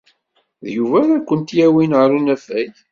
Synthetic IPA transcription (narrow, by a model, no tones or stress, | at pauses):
ðjuvæðækʷːənt̪jæwinʕɾunæfæj